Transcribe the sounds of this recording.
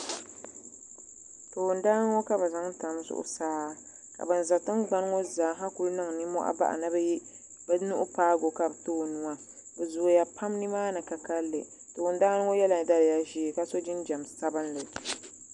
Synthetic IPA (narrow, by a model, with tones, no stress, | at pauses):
to˨n̩daː˦n˦ŋo˦ka˦ba˨za˦ŋ˦ta˨m˦zʊ̰˦ʔʊ̰˦saː˦ | ka̰˨bɨ˨n̩˨za˨tɨ˦nɡ͡ba˦n˦ŋo˦zaː˨˦ɦa˦ku˦lnɨ˦ŋ˨nɨ˦mɔ̰˦ʔa̰˦ba̰˦ʔa̰˨nɨ˦b | bnu˦ʔʊ˦paː˦ɡo˨ka˦bto˦˨nu˨ŋa˦ | bɨ˨zʊ˨o˨ja˨pa˦mnɨ˦maː˦nɨ˨ka˨ka˦lːɨ̰˨ | to˨ʊ˨n˦daː˦nɨ˦ŋo˦jɛ˦la˨da˦lja˦ʒiː˦˨ka˦so˦d͡ʒɪ˦n˦d͡ʒɛ˨msa˦bɨ˦nlɨ˨